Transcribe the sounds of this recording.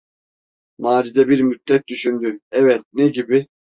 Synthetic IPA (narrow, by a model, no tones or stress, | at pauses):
maːɾid̪ɛbiɾmyt̪ːɛt̪̚d̪yʃynd̪yɛvɛt̪̚nɛɟibɪ